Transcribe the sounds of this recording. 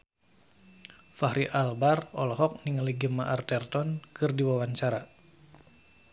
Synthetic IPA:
fahɾiʔalbarɔlɔɦɔk̚niŋaliɡəmaʔart̪ɛrt̪ɔnkɨrdiwawaɲt͡ʃaɾa

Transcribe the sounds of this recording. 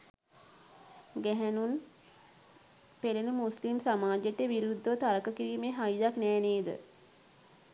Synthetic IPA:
ɡɛɦænun | pelenəmuslimsamaːd͡ʒeʈeʋiɾud̪ʱːəʋət̪aɾəkəkiɾiːmeɦajid̪aknɛːneːd̪ə̰

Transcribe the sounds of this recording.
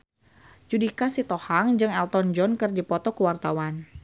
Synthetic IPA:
d͡ʒudikasit̪ɔhaŋd͡ʒɨŋɛlt̪ɔnd͡ʒɔnkɨrd͡ʒipɔt̪ɔkəwart̪awan

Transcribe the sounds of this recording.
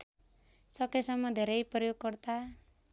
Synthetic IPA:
sʌkesʌmːʌd̪ʱeɾʌjprɔjoɡ̚kʌrt̪a

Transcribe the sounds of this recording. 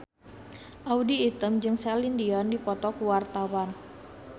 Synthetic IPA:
ʔaudiːt̪əmd͡ʒɨŋsalindiɔndipɔt̪ɔkuwart̪awan

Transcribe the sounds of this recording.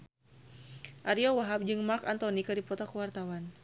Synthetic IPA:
ʔaɾiɔwaɦap̚d͡ʒɨŋmarkant̪ɔnikaɾipɔt̪ɔkuwart̪awan

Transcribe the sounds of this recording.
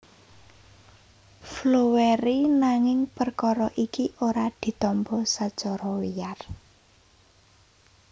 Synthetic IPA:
floweɾinaŋɪŋpərkɔɾɔʔikiʔoɾad̪̥i̤t̪ɔmpɔsḁt͡ʃɔɾɔwijar

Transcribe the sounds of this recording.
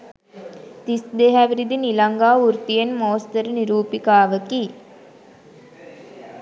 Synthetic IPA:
t̪isd̪eɦæʋiɾid̪inilɐŋɡaːuɾt̪ijenmoːst̪ɐɾniɾuːpikaːʋəki

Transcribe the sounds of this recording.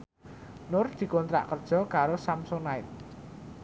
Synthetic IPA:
nʊrd̪̥i̤kɔnt̪ɾa̰ʔkərd̥ʒ̥ɔ̤kaɾosamsʊŋnaɪt̪̚

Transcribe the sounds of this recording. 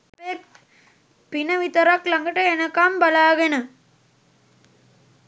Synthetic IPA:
peːk̚ | pinɐʋit̪ɐɾaklɐŋɡɐʈːɐɛnɐkːaːmbɐlaːɣɐnɐ

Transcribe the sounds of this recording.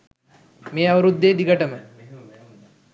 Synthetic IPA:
meːɐʋəɾud̪ːeːd̪iɡəʈəmə

